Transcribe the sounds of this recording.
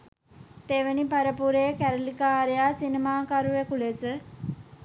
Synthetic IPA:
t̪eʋenipaɾəpuɾeːkæɾəlikaːɾejaːsinemaːkaɾuʋekulesə

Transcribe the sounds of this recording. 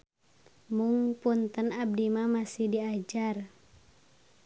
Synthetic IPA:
muŋpunt̪ənab̚dimamasɪhdiad͡ʒar

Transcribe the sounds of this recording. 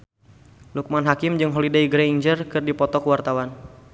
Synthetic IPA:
luk̚manɦakɪmd͡ʒɨŋɦolidaiɡɾeiɲd͡ʒərkɨrdipɔt̪ɔkəwart̪awan

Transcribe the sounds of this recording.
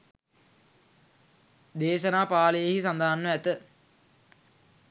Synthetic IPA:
d̪eːʃɐnaːpaːləjehis̬and̪aɦanːəæt̪ə

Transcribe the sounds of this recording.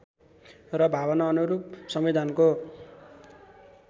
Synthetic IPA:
rʌbʱabʌnʌːnuɾup̚sʌmid̪ʱanko

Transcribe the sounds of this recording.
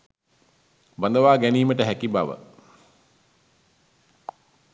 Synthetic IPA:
bənd̪əʋaːɡæniːməʈəɦækibaʋə̰

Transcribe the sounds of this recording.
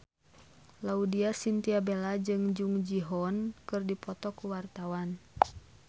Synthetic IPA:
laudiasint̪iabelad͡ʒɨŋd͡ʒuŋd͡ʒiɦɔnkɨrdipɔt̪ɔkuwart̪awan

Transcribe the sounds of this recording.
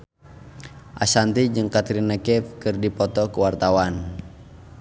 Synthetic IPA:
ʔa̰sant̪id͡ʒɨŋkat̪ɾinːakɛfkɨrdipɔt̪ɔkuwart̪awan

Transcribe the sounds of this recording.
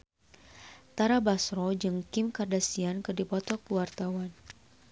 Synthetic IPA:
t̪aɾabasɾɔd͡ʒɨŋkɪmkardasiankɨrdipɔt̪ɔkuwart̪awan

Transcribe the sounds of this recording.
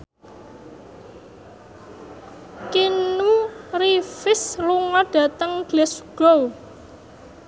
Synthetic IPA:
kinurifɪsluŋɔɖ̥a̤t̪əŋɡ̥lɛsɡ̥ɔw

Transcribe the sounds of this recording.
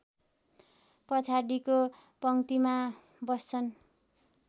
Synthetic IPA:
pʌt͡sʰaɽiko | pʌŋt̪ima | bʌst͡sʰʌn

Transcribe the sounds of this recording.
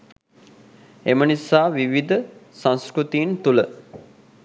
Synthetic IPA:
emənisaːʋiʋid̪əsãnskɾut̪iːnt̪ulə

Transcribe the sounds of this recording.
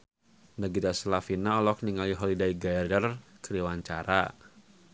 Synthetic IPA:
nəɡiɾasəlafinaɔlɔk̚niŋaliɦɔlidaiɡaɛrdərkəɾiwaɲt͡ʃa̰ɾa̰

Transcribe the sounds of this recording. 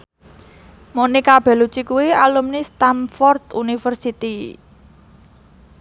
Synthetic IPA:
monikab̥ɛ̤lut͡ʃikuwialumnist̪amfɔrt̪unifərsit̪i

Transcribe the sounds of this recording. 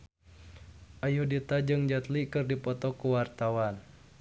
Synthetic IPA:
ʔajudit̪ad͡ʒɨŋd͡ʒat̪likɨrdipɔt̪ɔkuwart̪awan

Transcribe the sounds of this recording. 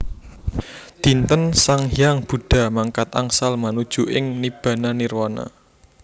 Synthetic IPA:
d̪̥i̤nt̪ənsaŋjaŋb̥ṳɖ̥ä̤maŋkat̪a̰ŋsalmanud̥ʒ̥ṳʔɪŋnib̥ä̤nanirwɔna̰

